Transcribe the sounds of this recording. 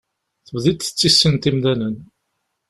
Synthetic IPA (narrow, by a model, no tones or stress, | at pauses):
θəwðit̪θə̥t͡sːisːənt̪imðænən